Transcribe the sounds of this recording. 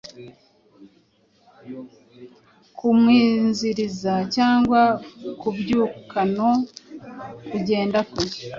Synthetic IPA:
kumwiːnziɾizacaːŋɡwakubɟuːkano̞ | kuɟe̞ːndakuɾi

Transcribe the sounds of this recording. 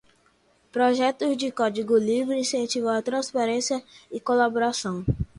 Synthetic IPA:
pɾoʒɛt̪ʊzd͡ʒɪkɔd͡ʒiɡʊlivɾɪĩsẽnt͡ʃivãat̪ɾɐ̃spaɾẽsiɐɪkolaboɾasɐ̃w̃

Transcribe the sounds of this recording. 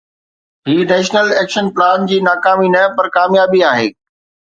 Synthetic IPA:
ɦiːnɛːʃnəlɛːkʃənplaːnd͡ʑiːnaːkaːminɐpɐɾkaːmjaːbiaːɦḛː

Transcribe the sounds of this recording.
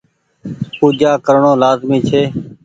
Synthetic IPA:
puːd͡ʒaːkəɾɳõːlaːzmiːt͡ʃʰeː

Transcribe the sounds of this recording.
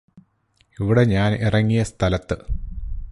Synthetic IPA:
iʋiɽe̞ɲaːnirɐŋːijɐst̪ʰɐlɐt̪ːɨ

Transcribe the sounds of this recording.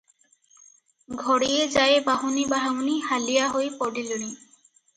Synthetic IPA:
ɡʱɔɽied͡ʑajbaɦunibaɦaŋnihalijaɦojpɔɖiloñi

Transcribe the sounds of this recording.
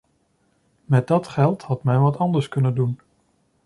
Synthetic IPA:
mɛd̚dɑtχɛlˠthɑtmɛnʋɑtɑndəɹskɵnəndun

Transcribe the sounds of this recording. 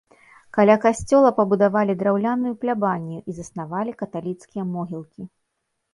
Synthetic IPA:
kalʲakasʲt͡sʲɔlˠɐpɐbud̪avalʲid̪ɾawlʲanujuplʲabanʲːuʔizɐsnavalʲikɐt̪alʲit̪skʲijɐmɔɣʲilˠkʲi

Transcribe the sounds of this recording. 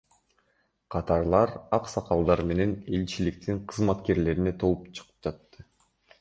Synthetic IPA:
qʰɑt̪ɑɾlˠɑɾɑqsɑqɑlˠd̪ɑɾme̞ne̞ne̞lt͡ʃilik̚t̪iɴqʰɯzmɑt̪ke̞ɾle̞ɾine̞t̪ʰo̞lˠupt͡ʃʰɯ̥qɯ̥p̚d͡ʒɑt̪ːɯ

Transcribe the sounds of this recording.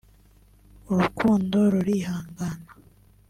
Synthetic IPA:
uɾukʰuːndo̞ɾuɾiɦaːŋɡanḁ

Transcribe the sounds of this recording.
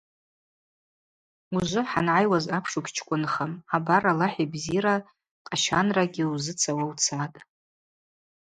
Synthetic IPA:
uʒʷʊħa̰nʕajwazapʰʂukʲt͡ʃʰkʷʼʊnχamabaralaħibziɾa | qʼaʃanraɡʲɪuzɨt͡sʰawawt͡sʰatʼ

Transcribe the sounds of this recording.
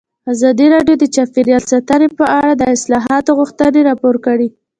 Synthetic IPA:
azɑd̪iɾɑɖjod̪ət͡ʃafiɾjɑlsat̪anepəaɽad̪əɪslɑɦɑt̪oɣuxt̪əneɾɑpoɾkaɽi

